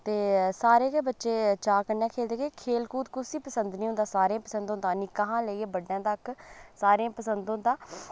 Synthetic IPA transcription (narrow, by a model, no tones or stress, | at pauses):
t̪eːsaːɾeːkeːbətːʃeːt͡ʃaːkəɾnɛːkʰeːld̪eːɡeːkʰeːlkuːt̪kʊsiːpəsənd̪nĩːʊ̃nd̪aːsaːɾẽːpəsə̃nd̪ɦʊnd̪aːnɪkaːɦãːləiːeːbəɖːãːt̪əksaːɾẽãːpəsənd̪ɦʊ̃nd̪aː